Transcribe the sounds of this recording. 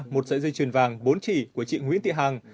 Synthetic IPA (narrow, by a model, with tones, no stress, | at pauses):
mo˨˩t̚zə̰˧˥zɨ˧jt͡ɕwi˨˩ənvaː˨˩ŋɓo˨˦nt͡ɕi˧˩ku˧˩ət͡ɕḭ˧˨ŋwḭ˧˥t̪ḭ˧˨ɦaː˨˩ŋ